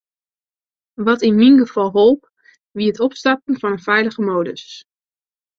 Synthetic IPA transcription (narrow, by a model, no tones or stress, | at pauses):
ʋɑtɪnminχəv̥ɑlˠɦolˠp | ʋiətɔpstapənvɑnənvɛjləχəmowdə̰s